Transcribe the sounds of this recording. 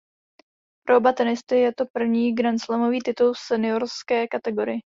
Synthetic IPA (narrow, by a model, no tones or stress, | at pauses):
pɾʔoobat̪ɛnɪst̪ɪjɛt̪o̞pr̩vɲiːɡɾanslamoviːt̪ɪt̪ulsɛnɪo̞ɾskɛːkat̪ɛɡo̞ɾɪjɪ